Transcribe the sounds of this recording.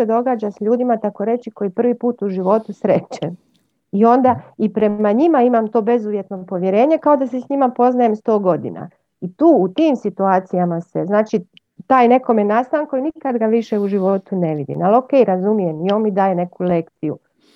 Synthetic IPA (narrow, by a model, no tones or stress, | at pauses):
sed̪o̞ɡaːd͡ʑasʎuːd̪imat̪ako̞ɾe̞t͡ʃiko̞jipr̩ʋipuːt̪uʒiʋo̞t̪usɾet͡ʃen | io̞nd̪aipɾe̞maɲimaimamt̪o̞ːbe̞zuʋje̞t̪no̞po̞ʋje̞ɾe̞ːɲekao̞d̪asesɲimapo̞znaje̞mst̪o̞ːɡo̞d̪ḭna̰ | it̪uːut̪iːmsit̪uaːt̪sijamaseznaːt͡ʃi | t̪aːjne̞ko̞menast̪aaŋkoinikad̪ɡaʋiʃeuʒiʋo̞t̪une̞ʋid̪ḭnalo̞ke̞jɾazumije̞mio̞nmid̪aːjene̞kulekt̪sijṵ